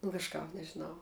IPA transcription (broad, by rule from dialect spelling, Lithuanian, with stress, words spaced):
nʊ kɐʃˈkɐp nʲɛʒʲɪˈnɐʊ